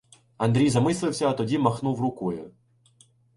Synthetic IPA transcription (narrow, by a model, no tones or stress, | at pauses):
ɐnd̪ɾʲijzɐmɪslˠɪwsʲɐɐt̪ɔdʲimɐxnuwrʊkɔjʊ̰